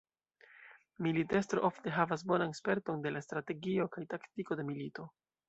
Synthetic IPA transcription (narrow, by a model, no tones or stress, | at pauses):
milite̞stɾo̞ʔo̞fte̞ɦavas̬bo̞nanspe̞ɾto̞nde̞lastɾate̞ɡio̞kajtaktiko̞de̞milito̞